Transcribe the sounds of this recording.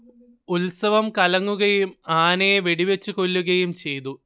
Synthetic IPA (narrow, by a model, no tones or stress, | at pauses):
ulsɐʋɐmkɐlɐŋːuɣɐjumaːneʋeɽiʋet͡ɕːuko̞lːuɣɐjumt͡ɕe̞jt̪u